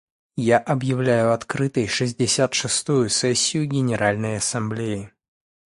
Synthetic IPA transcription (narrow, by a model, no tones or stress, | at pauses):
jaʔɐbjɪvlʲæjʊɐt̪kɾɨt̪əjʂɨzʲdʲɪsʲat̪ʂɨst̪ujʊsɛsʲːɪjʊɡʲɪnʲɪɾʔalʲnəjɐsɐmblʲejɪ